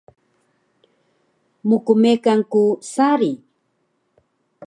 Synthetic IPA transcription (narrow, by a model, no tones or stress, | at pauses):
mʊkʊmekaŋkʊsaɾi